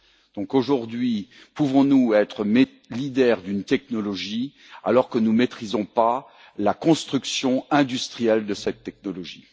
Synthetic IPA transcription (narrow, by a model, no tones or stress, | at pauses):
d̪̥ɔ̃koʒuʁd̪ɥi | puvɔ̃nuɛt̪χəme | lid̪ɛʁd̪ynt̪ɛknɔlɔʒi | a̰lɔʁkənumet̪χizɔ̃pa | lakɔ̃st̪χyksjɔ̃ɛ̃d̪yst̪χijɛld̪əsɛt̪ːɛk̚nɔlɔʒi